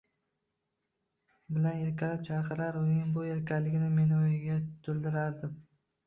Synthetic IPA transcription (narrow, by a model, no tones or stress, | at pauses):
bɪlane̞ɾkʲalɪp̚t͡ʃʰaɾqɨɾaɾʊnɪŋbʊe̞ɾkʲʰalːɪɡʲnɪme̞nojɪɡʲat̪ʰʊld̪ɪɾaɾd̪ɪm